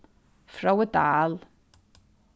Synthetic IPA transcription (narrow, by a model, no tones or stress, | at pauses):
frawədaːl